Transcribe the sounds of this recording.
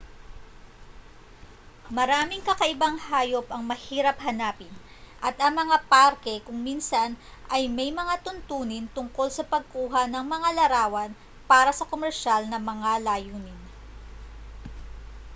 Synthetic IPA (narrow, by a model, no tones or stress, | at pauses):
mɐɾaːmɪŋkɐkɐʔɪbaŋhaːjo̞pʔɐŋmɐhiːɾɐp̚hɐnaːpɪn | ʔɐt̪ɐŋmɐŋapaɾkɛkʊŋminsɐn | ʔɐjmɐjmɐŋat̪ʊnt̪uːnɪnt̪ʊŋko̞lsɐpɐɡ̚kuːɦɐnɐŋmɐŋalɐɾaːwɐn | paːɾɐsɐkomɛɾʃalnɐmɐŋalaːjuːnɪn